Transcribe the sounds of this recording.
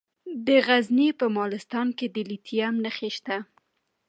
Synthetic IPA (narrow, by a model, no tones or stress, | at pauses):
d̪əɣaznipəmɑlɪst̪ɑnked̪əlit̪ʰijamnəxeʃt̪a